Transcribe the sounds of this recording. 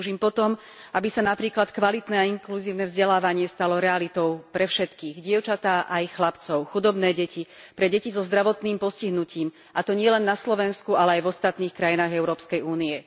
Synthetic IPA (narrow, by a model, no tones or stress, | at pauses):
ʒiːmpɔt̪ɔm | ʔabisanapɾiːklat̪kʋalit̪nɛːaiŋkluziːʊnɛvzɟɛlaːʋaɲɪɛst̪alɔɾɛalit̪ɔʊpɾɛfʃɛt̪kiːɣɟɪɛʊt͡ʃat̪aːʔaixlapt͡sɔʊxud̪ɔbnɛːɟɛcipɾɛɟɛcizɔzd̪ɾaʋɔt̪niːmpɔsciɦnuciːm | ʔat̪ɔɲɪɛlɛnːaslɔʋɛnskualɛajvɔst̪at̪niːxkɾajinaːɣɛʊɾɔːpskɛjuːniɛ